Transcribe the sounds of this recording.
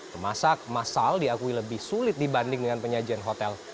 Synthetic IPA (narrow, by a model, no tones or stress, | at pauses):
t̪ərmasak̚masaldiakuiləbɪhsulɪt̪̚dibandɪŋdəŋanpəɲad͡ʒianɦot̪ɛl